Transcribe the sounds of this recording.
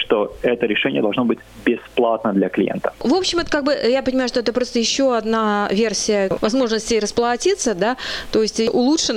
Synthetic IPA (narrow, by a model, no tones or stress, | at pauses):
ʂt̪oɛt̪əɾʲɪʂɛnʲɪjəd̪ɐlˠʐno̞bɨtʲbʲɪsplˠat̪̚nəd̪lʲɐklʲɪ̰jḛnt̪ə̥vo̞pɕːɪmɛt̪əkaɡ̚bɨjapənʲɪmajʊʂt̪o̞ɛt̪əpɾo̞st̪əjɪɕːo̞ɐd̪navʲe̞rsʲɪjəvɐzmo̞ʐnəsʲtʲeɾəsplˠɐtʲit̪səd̪at̪o̞jɪsʲtʲʔʊlˠutʂɨn